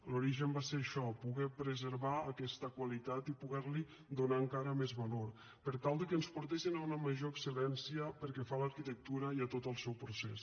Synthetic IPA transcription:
luɾiʒəmbaseɾəʃɔpuɣɛpɾəzəɾβaəkɛst̪əkwalit̪at̪ipuɣɛɾli | d̪unaəŋkaɾəmɛzβəloɾ | pəɾt̪alˠd̪əkənspuɾt̪esinaunəməʒoəksəlɛnsiəpəɾkɛfaləɾkit̪ək̚t̪uɾəiət̪ot̪əlˠsɛwpɾusɛs

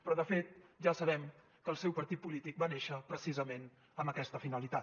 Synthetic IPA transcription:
pɾɔðəfet̪̚ʒasəβɛm | kəːlˠsɛwpəɾt̪it̪̚pulit̪ik̚baneʃəpɾəsizəmen | əməkɛst̪əfinəlit̪at̪

